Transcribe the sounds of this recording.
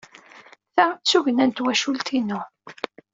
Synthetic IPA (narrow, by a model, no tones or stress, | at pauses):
θæt͡sːuʝənænt̪wæʃult̪inʊ